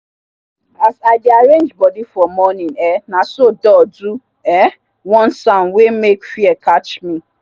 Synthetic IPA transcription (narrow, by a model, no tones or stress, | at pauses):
asaɪdiaɾẽnd͡ʒbɔdifɔmɔnĩnɛnasodɔdu | ɛ | wɔ̃nsãʊ̃nwemekfiɛkat͡ʃmĩ